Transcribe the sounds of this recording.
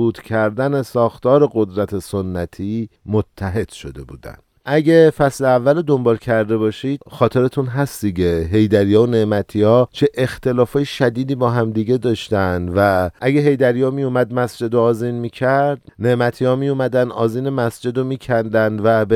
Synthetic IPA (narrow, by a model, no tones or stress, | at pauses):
uːt̪cʲʰæɾd̪æne̞sɒːxt̪ɒːɾe̞ɡod̪ɾæt̪ʰeso̞nːæt̪ʰiːmot̪ʰːæɦe̞d̪̥ʃo̞d̪e̞bṵːd̪æ̰nd̪̥ʔæɟefæsleævːælod̪o̞mbɒːlcʰæɾd̪e̞bɒːʃid̪xɒːt̪ʰe̞ɾet̪ʰunɦæsd̪̥iɡeɦe̞jd̪æɾijɒːone̞ʔmæt̪ʰiːɒːt͡ʃʰe̞ʔext̪e̞lɒːfɒːjeʃæd̪iːd̪iːbɒːɦæmd̪iɟe̞d̪ɒːʃt̪ænd̪væʔæɡe̞ɦe̞jd̪æɾijɒːmijumæd̪mæsd͡ʒe̞d̪oɒːziːnmiːcʰæɾd̪ne̞ʔmæt̪ʰiɒːmijumæd̪ænʔɒːziːnemæsd͡ʒe̞d̪omiːcʰænd̪ænd̪væb